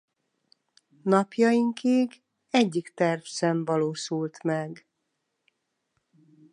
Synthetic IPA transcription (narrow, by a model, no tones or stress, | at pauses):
nɒpjɒjiŋkiːɡ | ɛɟːikt̪ɛrfsɛɱvɒloːʃult̪mɛɡ